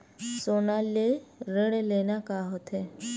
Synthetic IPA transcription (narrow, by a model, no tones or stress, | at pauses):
sonaleɾeɽelenakaɦɔt̪ʰe